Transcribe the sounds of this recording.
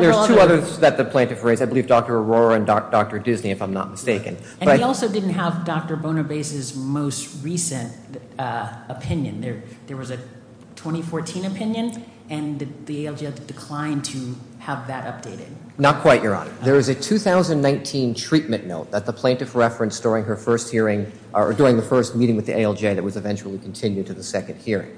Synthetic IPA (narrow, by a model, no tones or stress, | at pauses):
ðə˞z̥tʰʉʌðə˞ðɨt̪̚ðɨpʰl̥æ̃ntɨfɹeɪzaɪbəlˠivdɔk̚tə˞əɹɔɹəɨ̃nd̥ɔk̚tə˞dɪzniɨfãɪ̃mnə̰t̚məsteɪkɨ̰̃n | bɨ̃nʌɾiɔlˠsoʊdɪdⁿn̩tɦəvdɑk̚tə˞bõʊ̃ñɨbeɪsɨzmoʊst̚ɹisɨ̃nt | əpʰɪ̃njɨ̰̃nðə˞ðə˞wʌzɨ | tʰw̥ɛ̃ɾ̃ifɔɹtʰĩnɨpʰɪ̃njɨ̃n | ɨ̃nððieɪɛlˠd͡ʒedɨdɨkʰl̥ãɪ̃ntʰɨ | əvðɨɾʔʌp̚d̥eɪɾɪ̰d̥̚ | nət̚kʰw̥aɪʔjə˞ɑ̰̃nə̰˞ðə˞ɨzɨtʰʉθaʊzɨ̃nnːãɪ̃ntʰĩntʰɹ̥it̚mɨ̃nnoʊt̪̚ðət̪̚ðəpʰl̥ẽɪ̃ntɨvɹɛfɹɨ̃nsd̥ʊɹɪ̃ŋə˞fɜ˞st̚hiɹɪ̃ŋ | ə̰˞dʊɹɪ̃ŋðɨfɜ˞st̚miɾɪ̃ŋwɨðiʔeɪɛlˠd͡ʒeɪðɨt̚wʌzɨvɛ̃nt͡ʃul̩ˠikʰn̩tʰɪ̃njʉd̚tʰɨðəsɛkɨ̃nd̚hiɹɪ̰̃ŋ